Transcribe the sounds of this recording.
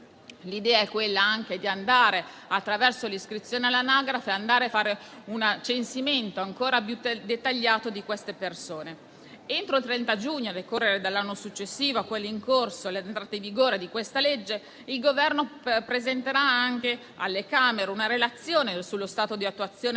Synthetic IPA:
lid̪ɛːaɛkːwelːaaŋk̟ed̪iand̪aːɾe | at̪ːɾavɛrsoliskɾit̪sːjoːnealːanaɡɾafeand̪aːɾeafaːɾe | unat͡ʃensiment̪oaŋkoːɾapjud̪et̪ːaʎːaːt̪od̪ikwest̪epersoːne | ent̪ɾoilt̪ɾɛnt̪ad͡ʒuɲːoad̪ekorːeɾed̪alːanːosut͡ʃːesːiːvokwelːiŋkorsolent̪ɾat̪eɱviɡoːɾed̪ikwest̪aled͡ʒːe | ilɡovɛrnopɾezent̪eɾaaŋk̟e | a̰lːekaːmeɾeunaɾelat̪sːjoːnesulːost̪aːt̪od̪iat̪ːuat̪sːjoːne

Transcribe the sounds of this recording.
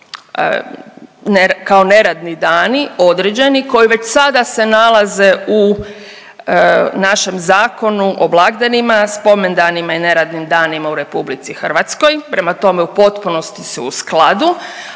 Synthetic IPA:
nekao̞ne̞ɾad̪nid̪aːnio̞d̪ɾed͡ʑe̞niko̞jiʋe̞t͡ɕsad̪ase̞nalˠaze̞u | naʃe̞mzaːko̞nuʔoblˠaɡd̪enimaspo̞mend̪animaine̞ɾad̪nimd̪aːnimauɾe̞publit̪sixr̩ʋat̪sko̞jpɾe̞mat̪o̞meupo̞t̪puno̞st̪isuːsklad̪u

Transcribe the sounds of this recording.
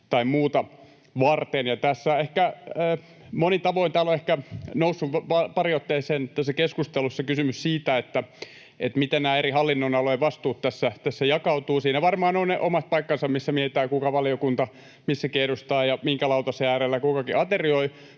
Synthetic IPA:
t̪ɑimmuːt̪ɑ | ʋɑrt̪enjɑt̪æsːæehkæː | monit̪ɑʋoint̪æːloehkænousːuʋpɑpɑriot̪ːeːseːnt̪ːæsːækeskust̪elusːɑkysymyssiːt̪æet̪ːæ | et̪mit̪ænnæːerihɑlːinːonɑloiʋɑst̪uːt̪t̪ːæsːæt̪æsːæjɑkɑut̪uːsiːnæʋɑrmɑːnoineʔomɑst̪̚pɑikːɑnsɑmmisːæmieit̪æːkukɑʋɑliokunt̪ɑ | misːækierust̪ɑːjɑmiŋkælɑut̪ɑseæːrelːækukɑkiʔɑt̪erioi

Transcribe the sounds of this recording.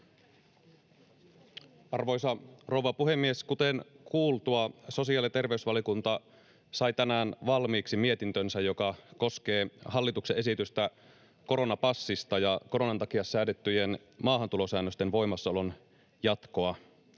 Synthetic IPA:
ɑrʋo̞jsɑro̞wʋɑpuɦe̞mːieskut̪enkʰuːlt̪uɑso̞siɑlit̪e̞rʋeysʋɑliokunt̪ɑ | sɑjt̪ænæːnʋɑlmiːksimie̞t̪int̪ønsæjo̞kɑko̞ske̞ːhɑlːit̪ukseʔe̞sit̪yst̪æ | ko̞ɾo̞nɑpɑsːist̪ɑjɑko̞ɾo̞nɑnt̪ɑkiɑsːæːdet̪ːyje̞n | mɑːɦɑnt̪ulo̞sæːnːøst̪e̞nʋo̞jmɑsːɑolo̞n | jɑt̪ko̞ɑ

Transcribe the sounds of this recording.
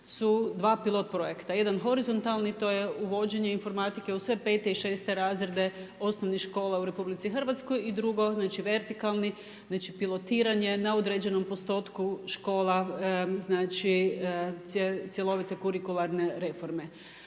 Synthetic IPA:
sud̪ʋaːpilˠo̞t̪̚pɾo̞je̞kt̪aje̞d̪anxo̞ɾizo̞nt̪alˠnit̪o̞jeuʋo̞d͡ʑe̞ɲe̞info̞ɾmat̪ike̞usʋe̞pe̞ːt̪eiʃeːst̪e̞ɾaːzɾed̪e̞o̞snoʋnixʃko̞ːlˠauɾe̞publit̪sixərʋat̪sko̞jid̪ɾuɡo̞znaːt͡ʃiʋe̞ɾt̪ikalˠni | znat͡ʃipilˠo̞t̪iːɾaɲe̞naod̪ɾed͡ʑe̞no̞mpost̪o̞ːt̪kuʃko̞ːlˠaznaːt͡ʃi | et̪sjelˠo̞ʋit̪ekuɾikulˠaɾneɾe̞fo̞ɾme

